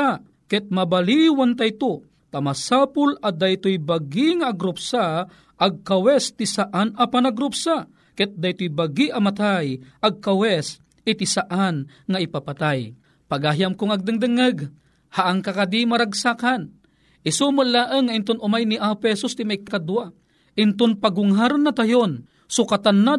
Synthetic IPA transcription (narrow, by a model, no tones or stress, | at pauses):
a | kɛt̪̚mabaliwant̪ajt̪o | t̪amasapʊlad̪ajt̪ojbaɡiŋaʔːɡɾʊpsa | ʔaɡ̚kawɛst̪isaʔanapanaɡɾʊpsa | kɛt̪̚d̪ajt̪ojbaɡiʔamat̪ajʔaɡ̚kawɛs | ɪt̪ɪsaʔan | ŋaɪpapat̪aj | paɡaɦjamkʊŋaɡ̚d̪ɨŋd̪ɨŋɨɡ | haʔaŋkakad̪imaɾaɡsakan | ʔɪsumʊlːaʔəŋːaʔɪnt̪ʊnʔʊmajniʔapɛsʊst̪ɪmajkakad̪wa | ʔɪnt̪ʊnpaɡʊŋɦaɾɨnːat̪ajon | sʊkat̪anːa